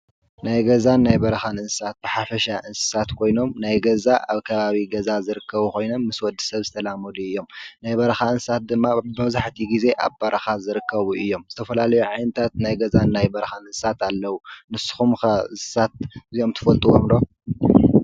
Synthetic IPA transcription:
najɡɐzanːajbɐɾɐxanɨnsɨsat̪̚bɨħafɐʃaʔɨnsɨ̥sat̪kʰo̞jno̞mnajɡɐzaʔaβkʰɐβaβiɡɐzazɨɾɨkʰːɐβuko̞jno̞mːɨswɔd̪ːi̥sɐβzɨt̪ʰɐlamɐluɨjːo̞mnajbɐɾxaɨnsɨsat̪̚d̪ɨmːabɨβzaħt̪ʰiɡize̞ʔa̰βbɐɾʔɐxazɨɾɨkʰːɐβuʔɨjːo̞mz̥ɨt̪ʰɐfɐlalɐjuʕajnɨt̪ʰat̪̚najɡɐzanːajbɐɾɐxanɨnssat̪alːɐwunɨsɨ̥xumxɐ̥sat̪̚zio̞mt̪ʰɨ̥fɐlt̪ʼuʔo̰mlo

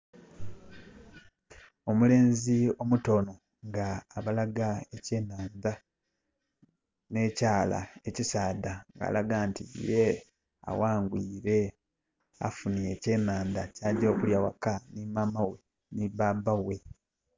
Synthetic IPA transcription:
o̞mule̞ːnzio̞muto̞no̞ | ŋɡaːβalaɡaeceːnaːnda | ne̞ːcaːla̰e̞cisaːdaŋɡa̰ːlaɡaːntḭje | a̰waːŋɡwiːɾe̞ | a̰funie̞ce̞ːnaːnd̪acaːɟo̞ːkuljawa̰kanimamawe̞ | nibabawe̞

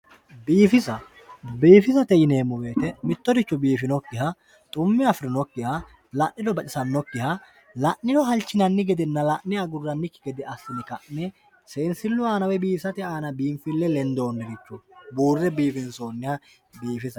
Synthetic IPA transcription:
biːfɪsɐ | biːfɪsɐt̪ɛjɪne̞ːmːɔbe̞ːt̪ɛmɪt̪ːɔd̪ɪt͡ʃːɔbiːfɪnɔkːɪhɐ | t̪ʼʊmːɪɐfɾɪnɔkːɪhɐ | lɐʔːɪd̪ɔbɐt͡ʃʼɪsɐnːɔkːɪhɐ | lɐʔːɪdɔɦɐlt͡ʃːɪnɐnːɪɡɛd̪ɛnːɐlɐʔnɛɐɡʊrːɐnːɪkːɪɡɛd̪ɛʔɐsːɪnɪkɐʔnɛ | se̞ːnsɪlːʊaːnɐwɛbiːsɐt̪ɪaːnɐbiːmfɪlːɛlɛnd̪o̞ːnːɛɡɪt͡ʃːʊbuːrːɛbiːfɪnso̞ːnːɪhɐ | biːfɪsɐ

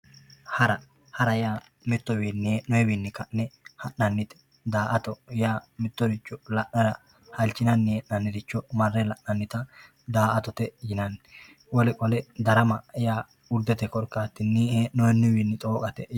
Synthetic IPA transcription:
hɐɾɐ | hɐɾɐjaː | mɪt̪ːɔwiːnːɪnɔɛwinːɪkɐʔnɛhɐʔnɐnːɪt̪ɛ̥ | d̪aːʔɐt̪ɔjaːmɪt̪ːɔd̪ɪt͡ʃːɔlɐʔnɐɾɐ | hɐlt͡ʃːɪnɐnːɪjeʔnɐnːɪd̪ɪt͡ʃːɔmɐrːɛlɐʔnɐnːɪt̪ɐ | d̪aːʔɐt̪ɔt̪ɛjɪnɐnːɪ | wɔlɛkʼɔlɛd̪ɐɾɐmɐjaː | ʊɾd̪ɛt̪ɛkɔɾkaːt̪ːɪnːihɛnɔɛnːɪwinːɪt̪ʼoːkʼɐt̪ɛ

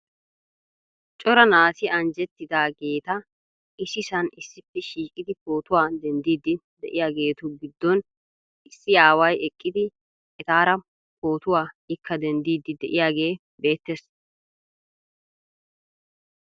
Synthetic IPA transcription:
t͡ʃʼɔɾɐnaːsɪɐnd͡ʒɛt̪ːɪd̪aːɡe̞ːt̪ɐ | ɪsɪsɐnɪsːɪpːɛʃiːkʼɪd̪ɪpo̞ːt̪ʊwaːd̪ɛnd̪iːd̪ɪ | d̪ɛʔɪjaːɡe̞ːt̪ʊɡɪd̪ːɔn | ɪsːɪaːwɐjɛkʼːɪd̪ɪ | ɛt̪aːɾɐ | po̞ːt̪ʊwaː | ɪkːɐd̪ɛnd̪iːd̪ɪd̪ɛʔɪjaːɡe̞ː | be̞ːt̪ːes

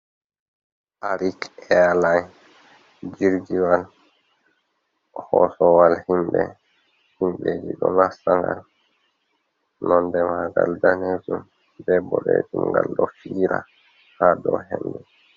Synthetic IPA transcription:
ʔaɾikɛalaj | d͡ʒiɾd͡ʒiwal | hɔsɔwalhimbɛ | himɓed͡ʒiɗɔnasaŋɡal | nɔndɛmaɡaldaned͡ʒum | bɛbɔɾed͡ʒumɡalɗɔfiːɾa | hadɔhɛndɛ

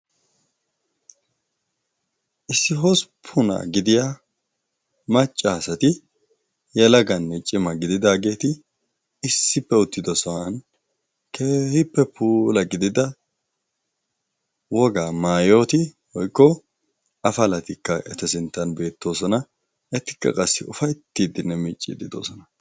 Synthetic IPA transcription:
ʔɪsːɪɦɔspʰʊna̰ɡɪd̪ɪjaː | mɐt͡ʃʼːaːsɐt̪ɪ | jɛlɐɡɐnːɛt͡ʃʼɪmɐɡɪd̪ɪd̪aːɡe̞ːt̪ɪː | sːɪpːɛʊt̪ːɪd̪ɔsɔwɐn | keːhɪpːɛpuːlɐɡɪd̪ɪd̪ɐ | wɔɡaːmaːjo̞ːt̪ɪ | wɔjkːɔ | ɐfɐlɐt̪ɪkːɐʔɛ̰t̪ɐsɪnt̪ːɐnbe̞ːt̪ːo̞ːsɔnɐ | ɛt̪ːɪ̥kːɐ̰kʼɐsːɪ̰ʊfɐjt̪ːiːd̪ɪnːɛmiːt͡ʃʼːḭd̪ɪd̪o̰ːsɔnɐ

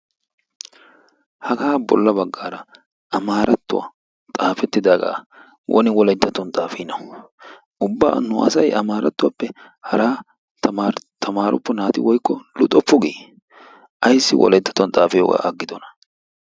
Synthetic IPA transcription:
hɐɡaːbɔ̰lːɐbɐɡːaːɾɐ | ɐmaːɾɐt̪ːʊwa̰ | t̪ʼaːfɛt̪ːɪd̪aːɡa̰ː | wʔɔ̰nɪwɔlɐt̪ːɐt̪ːɔnt̪ʼaːfinɐʊ | ʔʊbːa̰ːnʊʔɐ̰sɐjʔɐmaːɾɐt̪ːʊwapːɛ | hɐɾaː | t̪ːt̪ʰːɐmaːɾʔʊpːɔnaːt̪ɪwɔjkːɔlʊt̪ʼɔpːʊɡiː | ʔɐjsːɪ̰wʔɔ̰lɛt̪ːɐ̥t̪ːɔnt̪ʼaːfɪjo̰ːɡa̰ːʔɐɡːɪd̪ɔnɐ̥

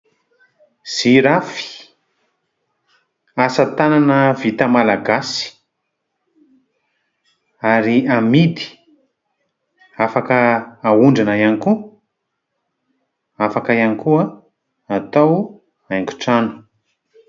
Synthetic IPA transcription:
z̥iɾafi̥ | asət̪ananəvit̪əmalaɡasi̥ | aɾiamid̪i̥ | afakəːuɳɖ͡ʐanajaniku | afakajanikuə | at̪aw | aŋku̥ʈ͡ʂanu̥

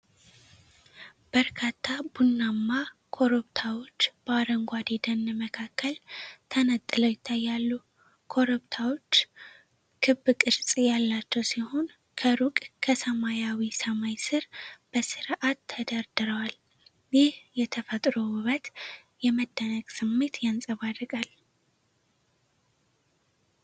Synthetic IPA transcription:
b̥əɾkʰat̪ʰːabunːamːakʰo̞ɾubt̪ʰawo̞t͡ʃːb̥əaɾəŋɡʷad̪ed̪ənːməkʰakʰːəlt̪ʰənət̪ʼːɨləwjɪt̪ʰːajːalːu | kʰo̞ɾupt̪ʰawo̞t͡ʃː | kʰɨbːɨkʼɨɾsʼjalːat͡ʃːɛwsiho̞n | kʰəɾukʼkʰəsəmajawisəmajsɨɾb̥əsɨɾʔat̪ʰːəd̪aɾd̪ɨɾəwal | jɪhjɛt̪ʰəfət̪ʼɾowɨβət̪ | jɛməd̪ːənəkʼsɨmːe̞t̪jansʼəβarːɨkʼal

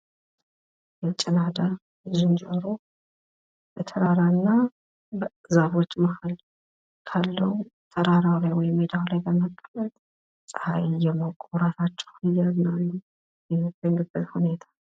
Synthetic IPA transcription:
jɛt͡ʃʼɪnad̪a | d͡ʒɨnd͡ʒəɾo | bət̪ʰəɾaɾanːa | bəzaβo̞t͡ʃːməhal | kʰalːəw | t̪ʰəɾaɾawlajwɔjmːed̪awlajbəməkʼːlət̪ʼ | sʼhajjɛmawkʼwɾasat͡ʃːɛ̥wɨjːaznan | jɛbəŋɡɨbət̪hune̞t̪ʰḁ

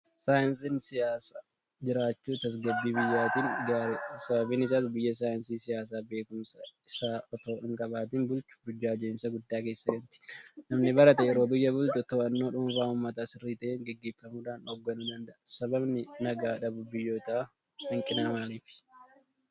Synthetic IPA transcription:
saːjɪnsinsɪjaːsaː | d͡ʒɪɾaːt͡ʃːuːt̪ɐs̬ɡɐd̪ːiːbɪjːaːt̪iːŋɡaːɾsɐbɐbiːnɪs̬aːs̬bɪjːɐs̬aːjɪnsiːsɪjaːs̬aːbe̞ːkʊmsɐɪsaːɔt̪o̞ːʔɪŋkʼɐbaːt̪iːnbʊlt͡ʃʊ̥bʊd͡ʒːaːd͡ʒeːnsɐɡʊd̪ːaːke̞ːsːɐɡɐnt̪ɪ̥nɐmnɪbɐɾɐt̪ɛɛɾoːbɪjːɐbʊlt̪ɔt̪oːɐnːoːᶑʊmfaːʊmːɐt̪aːsɪrːiːt̪ɐʔeːŋɡɛɡːeːfːɐmuːᶑaːnɔɡːɐnʊd̪ɐnd̪ɐʔsɐbɐbnɪnɐɡaːᶑɐbʊbɪjːo̞ːt̪ɐʔɐ | hɪŋkʼɪnɐmaːliːfɪ̥

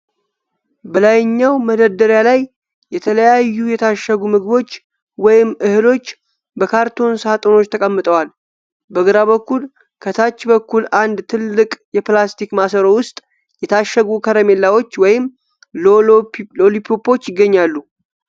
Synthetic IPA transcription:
bəlajɪɲːawməd̪əɾd̪əɾjalaj | jɛt̪ʰələjajːujɛt̪ʰaʃːəɡumɨɡbo̞t͡ʃː | wɔjɪmːʔɨhɨlo̞t͡ʃː | bəkʰaɾt̪ʰo̞nsat̪ʼono̞t͡ʃːt̪ʰəkʼəmːɨt̪ʼəwal | bəɡɨɾaβəkːul | kʰət̪ʰat͡ʃːbəkʰːulʔand̪t̪ʰɨlːɨkʼjɛplast̪ʰikmasəɾo̞wʊst̪ʼ | jɛt̪ʰaʃːəɡukʰəɾəme̞lːawo̞t͡ʃːwɔjɪm | olipʰopo̞t͡ʃːjɪɡːəɲːalːu

